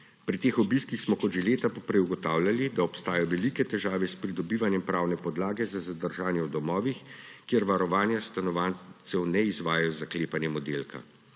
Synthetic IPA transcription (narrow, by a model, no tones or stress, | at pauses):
pɾit̪eːxɔbiskixsmɔkɔd̪ʒɛleːt̪apɔpɾɛjuɡɔt̪aːwlʲjalid̪aɔpst̪aːjɔʋɛlikɛt̪ɛʒaːʋɛspɾid̪ɔbiːʋanjɛmpɾaːwnɛpɔd̪laːɡɛzazad̪əɾʒaːnjɛwd̪ɔmɔːʋixkjeɾʋaɾɔʋaːnjast̪anɔʋaːnt̪sɛwnɛizʋaːjajɔzakleːpanjɛmɔd̪eːlkʰa̰